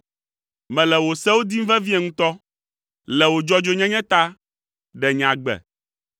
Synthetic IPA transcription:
mɛ̃˨lɛ˨wo˨sɛ˦wo˦d̪i˦m̩˦vɛ˦vi˦ɛ˨ŋũ˦t̪ɔ˦ | lɛ˨wo˨d͡ʒɔ˦d͡ʒo˦ɲɛ̃˦ɲɛ̃˦t̪a˦ | ɖɛ˨ɲ˨ã˨ɡ͡bɛ̰˨

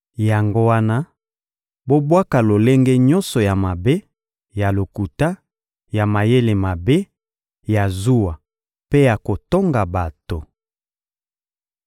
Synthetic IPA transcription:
ja˨ŋɡo˦wa˦na˦ | bo˦bwa˦ka˨lo˨le˦ŋɡe˦ɲɔ˦nsɔ˨ja˨ma˨be˦ | ja˨lo˨ku˨ta˦ | ja˨ma˨je˦le˨ma˨be˦ | ja˨zu˦wa˨ | pe˦ja˨ko˨to˦ŋɡa˨ba˨to˨

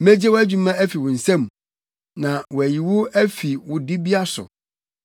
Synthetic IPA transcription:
mɛ˦d͡ʑe˦wæ˦d͡ʑᶣu˨mã˦æ˦fi˨wʊ̃˨n̩˨sɛ̃˦˨m | nã˨wɔ˨æ˨ji˨wʊ˦æ˦fi˨wʊ˨dɪ˦bi˦a˦sʊ̰˨

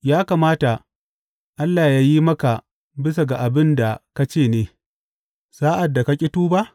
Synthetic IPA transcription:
jaː˦kaː˨maː˦ta˨ | ʔa˦lːaː˨jaː˦ji˦mɐ˦ka˨ | bɪ˦s̬a˨ɡa˨ʔa˨bɪ˦nda˨ka˦t͡ʃeː˦˨neː˨˦ | saː˦ʔa˨dːa˨ka˦kʲʼɪ˦tuː˦ba˦ʔ

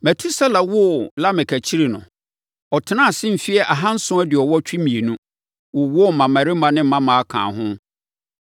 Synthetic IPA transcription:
mæ˨tʰu˦sɛ˦la˨wʊ˦˨la˦mɪ̃˨kʰæ˨t͡ɕʰi˦ɾi˨nʊ̃˨ | ɔ˨tʰɪ˨nã˦˨sɪ̃˦m̩˨fi˦ɛ˦ʔa˨ɦã˦n̩˦sʊ̃˦æ˦dɪ˨ɔ˨wɔ˦t͡ɕᶣi˦mĩ˨e˨nũ˦ | wʊ˨wʊ˦˨mã˨mæ̃˨ɾɪ˦mã˦nɪ̃˦m̩˦mã˦mã˨a˦˨kʰã̰ː˨ɦʊ̃˦

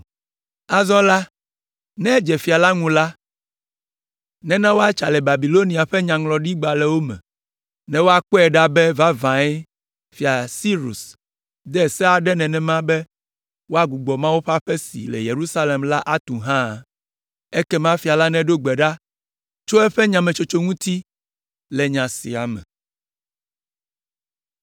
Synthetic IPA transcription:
a˦zɔ̃˦la˦ | nɛ̃˦d͡ʒɛ˨fi˨a˨la˦ŋũ˨la˦ | nɛ̃˦nã˦wo˦a˦t͡ʃa˨lɛ˨ba˨bi˨lo˦ni˨a˨ɸɛ˦ɲã˨ŋlɔ˨ɖi˦ɡ͡ba˨lɛ˨wo˦mɛ̰̃˨ | nɛ̃˦wo˦a˦k͡po˦ɛ˨ɖa˦bɛ˦va˦vã˨ɛ˦ | fi˨a˨si˦ɾṵ˨s | d̪ɛ˦˨sɛ˦a˨ɖɛ˦nɛ̃˨nɛ̃˨mã˦bɛ˦ | wo˦a˦ɡu˨ɡ͡bɔ˨mã˦wu˦ɸa˦ɸɛ˦sḭ˨lɛ̰˨je˨ɾu˦sa˦le˨mla˦ʔa˦t̪ũ˨ɦã˦˨ | ɛ˦kɛ˦mã˦fi˨a˨la˦nɛ̃˦ɖo˦ɡ͡bɛ˨ɖa˦ | t͡ʃo˦ɛ˦ɸɛ˦ɲã˨mɛ̃˨t͡ʃo˨t͡ʃo˦ŋũ˦t̪i˦ | lɛ˨ɲã˨sḭ˨a˨mɛ̰̃˨

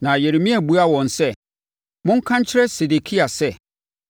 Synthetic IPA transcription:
nã˨je˨ɾe˨mĩ˦æ˨bu˦a˦wɔ̃˨n˨sɛ˦˨ | mʊ̃˦ŋ̩˦kʰã˦ɲ˦t͡ɕʰɪ˦ɾɛ˦se˨de˨kʰi˦a˨sɛ˦

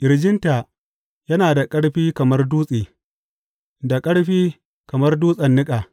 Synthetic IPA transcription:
ʔɪ˨ɾd͡ʒɪ˦nta˨ | jɐ˦naː˨da˨kʼɐ˦ɽɸiː˦kɐ˨mɐ˦rduː˦sʼiː˨ | da˨kʼɐ˦ɽɸiː˦ | kɐ˨mɐ˦rduː˦sʼɐ˨nːɪ˦kʼaː˨

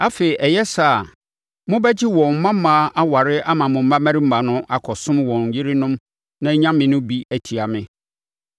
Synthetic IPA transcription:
a˦fe˨i˨ʔɛ˨jɛ˦sa˦˨ | mʊ̃˦bɛ˦d͡ʑɪ˦wɔ̃˨m̩˨mã˦mãː˦ʔa˦wa˨ɾɪ˦ʔa˦mã˨mʊ̃˨m̩˦mã˦mæ̃˦ɾi˦m̩˦mã˨nʊ̃˦ʔa˨kʰɔ˨sʊ̃˦mwɔ̃˨ɲ˨jɪ˦ɾɪ˦nʊ̃˦m | nã˦ɲã˦mɪ̃˨nʊ̃˦bi˦æ˦tʰi˨a˨mɪ̃˦

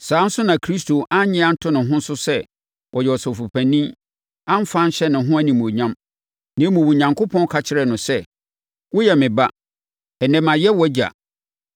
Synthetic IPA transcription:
saː˨˦n̩˦sʊ˦nã˨kʰɾi˦stʰo˨ʔa˦ɲɪ̃˦a˦n̩˦tʰʊ̃˦nɪ̃˨ɦʊ̃˦n̩˦sʊ˦sɛ˦ | wʔɔ˨jɛ˨ɔ˨sʊ˨fu˨pʰæ̃˨nĩ˦ | ã˦m̩˦fã˦n̩˦ɕɛ˦nʊ̃˨ɦʊ̃˦æ˦nĩ˨mũ˨ɲã˦m | nɪ̃˨˦mũ˨wʊ˨ɲã˨ŋkʰʊ˦pʰɔ̃˦n˦kʰa˨t͡ɕʰɪ˦ɾɛ˨nʊ̃˨sɛ˦˨ | wʊ˦jɛ˨mɪ̃˨ba˦ | ɛ˨nɛ̃˨mã˨jɛ˦wɔ˦d͡ʑa̰˨

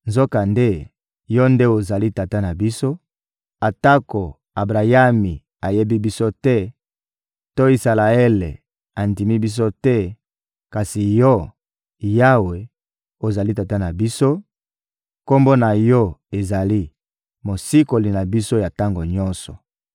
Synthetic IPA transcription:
nzo˦ka˨nde˦ | jɔ˦nde˦o˨za˨li˦ta˨ta˦na˨bi˦so˦ | a˨ta˦ko˨ | a˨bʁa˨ja˦mi˨ | a˨je˦bi˦bi˦so˦tɛ˦ | to˦i˨sa˨la˨e˦le˨ | a˨n˨di˨mi˦bi˦s̬o˦tɛ˦ | ka˨si˨jɔ˦ | ja˦we˨ | o˨za˨li˦ta˨ta˦na˨bi˦so˦ | ko˦mbo˦na˨jɔ˦e˨za˨li˦ | mo˨si˦ko˨li˨na˨bi˦so˦ja˨ta˦ŋɡo˨ɲɔ˦nsɔ˨

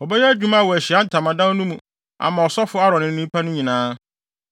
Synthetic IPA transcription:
ɔ˨bɛ˦jɛ˦æ˦d͡ʑᶣu˦ma˦a˦˨wɔ˨æ˨ɕi˨a˦n̩˨tʰa˨mã˨dã˦n˦nũ˦mũ˨ | a̰˨mã˨ɔ˨sɔ˦fʊ˦a˦ɾɔ̃˨nɪ̃˦n˦ĩ˦pʰa˦nʊ̃˦ɲĩ˨nãː˦

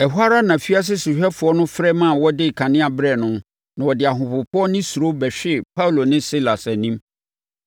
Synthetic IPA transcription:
ɛ˨ɦa˦ɾa˦nã˨fi˦a˦s̬ɪ˦sʊ˨ɕᶣɛ˦fʊ˨ɔ˦nʊ̃˦fɾɛ˦mã˦˨wɔ˦dɪ˦˨kʰã˨nɪ̃˦a˨bɾɛ˨nʊ̃˦ | nã˨wɔ˨dɪ˨a˨ɦʊ̃˨pʊ˨pʰʊ˦ɔ˦nɪ̃˦su˨ɾo˦bɛ˨ɕᶣɪ˦˨pʰa˦u˨lo˨nɪ̃˦si˦la˨sɛ˨nĩ˦m

